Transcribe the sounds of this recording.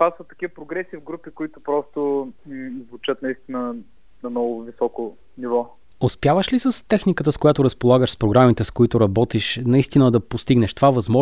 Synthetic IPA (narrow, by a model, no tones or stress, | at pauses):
paət̪ːɐkivəpɾoɡɾɛsivɡɾupikoit̪ʊpɾɔst̪ʊ | zvʊt͡ʃət̪nɐist̪inə | nɐmnɔɡʊvisɔko | nivɔ | ospjavəʃlisəst̪ɛxnikət̪əskʊjat̪ʊɾəspolˠaɡəʃspɾoɡɾamit̪ɛskoit̪ʊɾɐbɔt̪iʃnɐist̪inəd̪ɐpost̪iɡnɛʃt̪ovavɐzmɔ